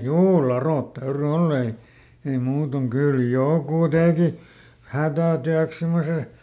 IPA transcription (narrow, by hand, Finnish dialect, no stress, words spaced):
juː lɑroˑt tæyry olː ei ei muːtoŋ kyl joˑkuˑ teˑki hætæˑtyæks semːose